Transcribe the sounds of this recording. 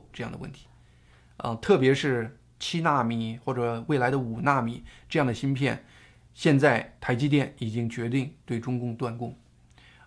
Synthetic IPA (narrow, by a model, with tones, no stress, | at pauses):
ʈ͡ʂɤ˥˧jɑ˥˩ŋd̪ə̰˩wə̰˥˩nt̪ʰi̥˧˥ | ə̰˧t̪ʰɤ˥˩pjɛ˧˥ʂɻ̩˥˩ | t͡ɕʰi˥na˥˩mi˨˩˦xwɔ˥˩ʈ͡ʂɤ˨˩we˥˩ɪla˧˥ɪd̪ə˧u˨˩na˥˩mi˨˩˦ʈ͡ʂɤ˥˧jɑ˥˩ŋd̪ə˩ɕi˥npʰjɛ˥˩n | ɕjɛ˥˧nt͡sa˥˩ɪt̪ʰa˧˥ɪt͡ɕi˥t̪jɛ˥˩ni˨˩t͡ɕi˥ŋt͡ɕɥɛ˧˥t̪i˥˧ŋt̪we˥˩ɪʈ͡ʂʊ˥ŋkʊ˥˧ŋt̪wa˥˧nkʊ˥˩ŋ